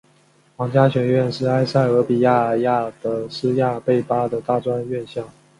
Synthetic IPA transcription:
wɑ˨˥ŋt͡ɕja˥ɕɥɛ˨˩ɥɛ˥˧nʂɻ̩˥˩a˥ɪsa˥˩ɪɤ˧˥pi˨˩ja˥˩ja˥˩d̪ə˩˦sɹ̩˥ja˥˧pe˥˩ɪpa˥d̪ə˨t̪a˥˩ʈ͡ʂwa˥nɥɛ˥˧nɕjɑ˥˩ŋ

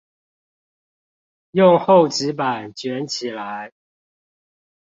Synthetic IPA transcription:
jʊ˥˨ŋxo˥˨ʊt͡ɕɻ̩˧˦pa˨˩nt͡ɕɥɛ˨˦nt͡ɕʰi˨˩la˨˦ɪ

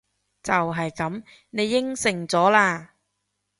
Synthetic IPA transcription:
t͡sɐ˨wɦɐ˨jkɐ˨˥m | ne˨˧jːɪ˥ŋsɪ˨˩ŋt͡sɔː˨˥laː˧

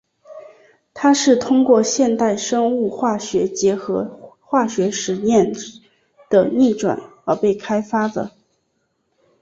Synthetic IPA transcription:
t̪ʰa˥ʂɻ̩˥˩t̪ʰʊ˥ŋkwɔ˥˧ɕjɛ˥˧nt̪a˥˩ɪʂɤ˥ŋu˥˧xwa˥˩ɕɥɛ˧˥t͡ɕjɛ˧˥xɤ˧˥ | xwa˥˩ɕɥɛ˧˥ʂɻ̩˧˥njɛ˥˩n | d̪̥ə˩ni˥˩ʈ͡ʂwa̰˨˩˦nə˞˧˥pe˥˩ɪkʰa˥ɪfa˥d̪ə̰˨

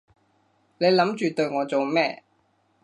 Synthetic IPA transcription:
ne˨˧jlɐ˨˥mt͡ʃyː˨t̪ɵ˧ɥŋɔː˨˧t͡so˨wmɛː˥

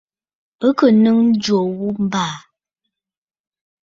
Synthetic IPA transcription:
ə˦kə˨nɨ˦ŋn̩˦d͡ʒwo˨wu˦m̩˦baː˦˨

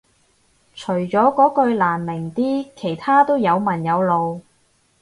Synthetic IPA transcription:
t͡ʃʰɵ˨˩ɥt͡ʃɔː˨˥kɔː˨˥kɵ˧ɥlaː˨˩nmɪ˨˩ŋt̪iː˥kʰe˨˩jt̪ʰaː˥t̪o˥wjɐ˨˧wmɐ˨˩njɐ˨˧wlo˨˧w

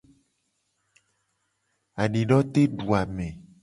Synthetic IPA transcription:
a˨ɖi˨ɖɔ˦t̪e˦ɖu˨a˨mẽ˨

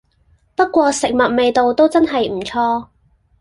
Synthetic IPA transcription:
pɐ˥t̚kʷwɔː˧sɪ˨k̚mɐ˨t̚me˨˧jt̪o˨wt̪o˥wt͡sɐ˥nɦɐ˨jm̩˨˩t͡sʰɔː˧

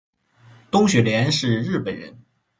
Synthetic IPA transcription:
t̪ʊ˥ŋɕɥɛ˨˩ljɛ˧˥nʂɻ̩˥˧ɻɻ̩˥˩pə˨˩nɻə̰˧˥n

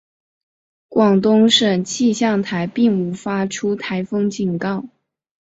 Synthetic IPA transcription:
kwɑ˨˩ŋt̪ʊ˥ŋʂə˨˩nt͡ɕʰi˥˧ɕjɑ˥˩ŋt̪ʰa˧˥ɪpi˥˩ŋu˧˥fa˥ʈ͡ʂʰu˥t̪ʰa˧˥ɪfɤ˥ŋt͡ɕi˨˩nkɑ˥˩ʊ

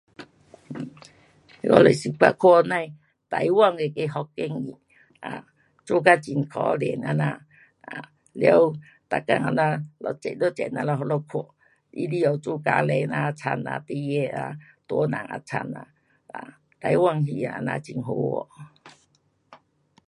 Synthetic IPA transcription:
kɔ̰˧˦le˨si˧˨kʰa̰˧˨kʰɔ˧˨nã˧j | t̪a˨jwa˧˨ŋe˧˨ke˧˦ɦɔ˧kːe˦ŋi˨ | a̰˨ | t͡su˦ka˦t͡ɕi˨nkʰɔ˧˦lɛ˨na˧nã˧ | a˨ | lja˧˦w | t̪a˨ka˧˨ŋa˧˨nã˧lɔ˧˨t͡ʃɛ˨lo˦t͡ɕɛ˨nã˧lɔ˧ɦɔ˧lɔ˧˦kʰo˧˨ | ḭ˦li˦o˨t͡su˦ka˧˦le˧nã˧t͡sʰa˧na̰˧˨t̪i˧e˧a˧ | t̪ɔ˧˦nã̰˨ŋa̰˧t͡sʰa̰˧na̰˧˨ | a̰˨ | t̪a˨˦jwa˧˨ŋɦi˧˨a˧nã̰˧t͡ɕi˨ŋɦo˧˦ɔ̰˧˨

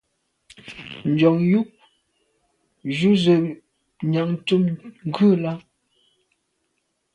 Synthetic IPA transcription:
n̩˨d͡ʒɔ˨ŋju˦ʔ | ʒu˦zə˨ | ɲa˨ŋ˨tu˦mŋ˦ɡʉ˦˨la˦

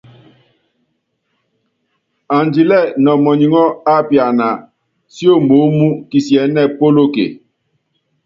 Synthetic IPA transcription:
a˨n˨d͡ʒi˨lɛ˦˨nɔ˨mɔ˨ɲi˨ŋɔ˦a˦pja˨na˨ | si˦o˦˨mo˨˦mu˦ki˨sjɛ˨˦nɛ˦˨po˦lo˦kḛ˨

